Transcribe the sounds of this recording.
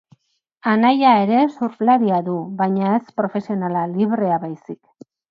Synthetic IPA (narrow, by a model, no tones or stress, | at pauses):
anajae̞ɾe̞suɾflaɾiaðuβajɲae̞spɾo̞fe̞sio̞nalaliβɾe̞aβajsik